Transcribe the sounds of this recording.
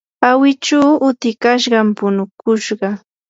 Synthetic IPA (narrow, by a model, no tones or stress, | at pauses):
awɪt͡ʃaːʊt̪ɪkaʃ̬ɢɑmpʊnʊkʊʃɢɑ